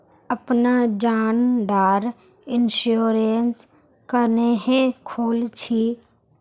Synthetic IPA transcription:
əpnad͡ʒaːnd̪aːɾ | ɪnʃoːɾens | kəneɦẽkʰoːlt͡ʃʰi

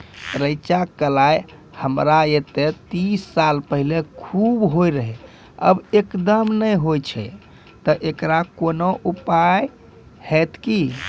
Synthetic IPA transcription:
ɾəjt͡ʃakəlaj | həmɾaet̪et̪isːalpəɦilekʰubɦojɾəɦɛ | ə̰bekd̪əmnəjɦojt͡ʃʰɛ̰ | t̪əʔekɾakonoʔupaj | hɛt̪ki

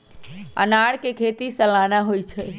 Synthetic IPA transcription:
ə̰naɽkekʰet̪isəlaːnaɦojt͡ʃʰɛ

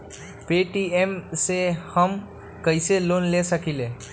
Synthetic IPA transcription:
peʈiemsehəm | kəɪselonlesəkile

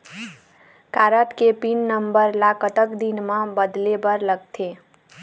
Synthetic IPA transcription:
kaːɾət̪kepinːəmbəɾlakət̪əkd̪inmãbəd̪lebəɾləɡ̚t̪ʰe

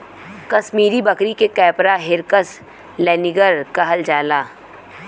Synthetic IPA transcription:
kɐsmiːɾibɐkɾikekɛːpɾaɦɪɾkəs | lɛːnɪɡəɾkɐɦəld͡ʒaːlaː

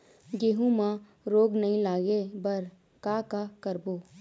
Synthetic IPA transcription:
ɡeːɦũmã | ɾoːɡnɐɦĩlaːɡebɐɾ | kaːkakɐɾboː

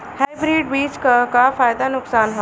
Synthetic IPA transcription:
hajbɾiːɖbiːt͡ʃkakafaːjd̪anʊksaːnɦo

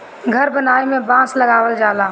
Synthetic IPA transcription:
ɡʱəɾbənaːemẽbãːsləɡaːwəld͡ʒaːlaː

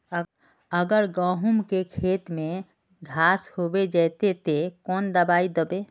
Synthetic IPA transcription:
əɡəɾɡəɦumkekʰet̪me | ɡʱashobed͡ʒɛjt̪et̪ekɔnd̪əbaid̪əbe

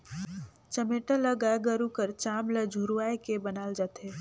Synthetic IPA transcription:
t͡ʃəmeːʈaləɡaɡəɾukəɾt͡ʃaːmləd͡ʒʱuɾaːekebənaːld͡ʒaːt̪eː

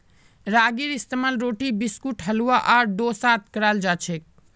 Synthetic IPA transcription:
ɾaːɡiɾist̪əmalɾoːʈibiskuʈɦəluaʔaːɾɖosaːt̪̚ʰkəɾald͡ʒaːt͡ʃʰek̚

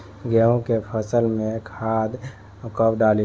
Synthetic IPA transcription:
ɡɛɦõkepʰəsəlmẽkʰaːd̪ | kəpɖali

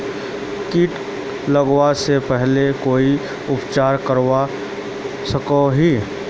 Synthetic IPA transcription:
kiːʈ | ləɡwasepɛɦlekoːi | ʊpt͡ʃaːɾkəɾwa | səkoɦiː

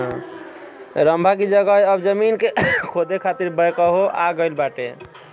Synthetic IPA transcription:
ɦã | ɾəmbʱakid͡ʒəɡəjəbd͡ʒəminkekʰod̪ekʰat̪iɾbəjkəɦoʔa̰ɡəɪlbaʈḛ

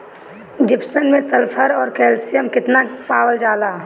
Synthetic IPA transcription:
d͡ʒɪpʰsənmẽsəlpʰəɾɔːɾkɛːlsijəmkɪt̪napaːwəld͡ʒaːlaː

